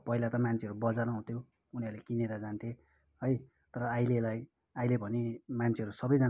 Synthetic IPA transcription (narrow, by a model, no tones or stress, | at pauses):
pʌilat̪ʌmant͡sʰeʌɾubʌd͡zanʌɦũt̪ʰjo | uniʌɾlekineɾʌd͡zant̪ʰe | ɦʌj | t̪ʌɾʌajlelaj | ajlebʱʌnemant͡sʰeʌɾusʌbʌjd͡zan